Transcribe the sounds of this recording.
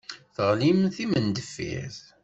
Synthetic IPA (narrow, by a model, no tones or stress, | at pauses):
θəʁlimθimənd̪əfːḭθ